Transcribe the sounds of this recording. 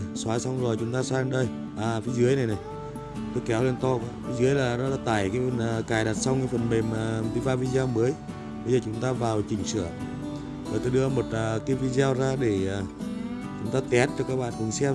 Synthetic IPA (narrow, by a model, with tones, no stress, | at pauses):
swaː˨˦sa˧wŋ͡mzo˨˩jt͡ɕʊ˨˦ŋ͡mt̪aː˧swaː˧lnɗə˧˩j | ʔaː˨˩fi˨˦zɨ˨˦əjna˨˩jna˨˩j | t̪o˧˨˦jkɛ˨˦wle˧nt̪ɔ˧ka̰ː˧˦fi˨˦zɨ˨˦əjlaː˨˩nɔ˨˦laː˧˦t̪a̰ː˧˩jkaː˨˦jnː˨˩kaː˨˩jɗa˨˩t̚sa˧wŋ͡mkaː˨˦jfə˨˩nɓe˨˩maː˨˩˨t̪i˨˦vaː˧vi˧zaː˧mməː˨˦j | ɓə˧jzəː˨˩t͡ɕʊ˨˦ŋ͡mt̪aː˧vaː˨˩wt͡ɕï˨˩ŋ̟sɨ˧˩ə | vo˨˩jt̪o˧˦jɗɨ˧əmo˨˩t̚əː˨˩kaː˨˦jvi˧zaː˧wzaː˧ɗe˧˩aː˨˩ | t͡ɕʊ˨˦ŋ͡mt̪aː˧t̪ɛ˨˦˥t̚ɗɨ˧˩kːaː˦k̚ɓa̰ː˧˨nvɨ˨˩ŋsɛ˧